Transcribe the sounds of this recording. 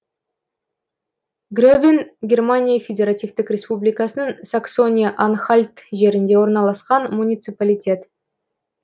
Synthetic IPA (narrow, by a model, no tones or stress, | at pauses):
ɡrʲobʲinɡʲe̞rmanʲijafʲe̞dʲe̞ɾat̪ʲijft̪ɪkʲrʲe̞spublʲijkɑsənəɴsakso̞nʲijʔanχalʲt̪ʒe̞ɾɪnd̪e̞wo̞ɾnɑlˠɑsqɑnmunʲijt̪sɨpalʲijtʲe̞t̪